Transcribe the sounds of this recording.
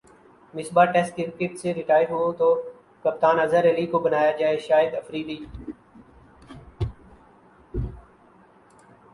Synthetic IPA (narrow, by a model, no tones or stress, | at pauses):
mɪsbaːʈɛːsʈkɪɾkɪʈseɾɪʈaːjəɾɦuõt̪oː | kɐp̚t̪aːnɐzəɾəlikobənaːjad͡ʒaːeʃaːɪəd̪ɐfɾiːd̪iː